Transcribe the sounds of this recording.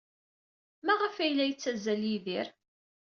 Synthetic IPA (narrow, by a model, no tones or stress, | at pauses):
mæʁəfæjlæjət͡sːæzæljiðiɾ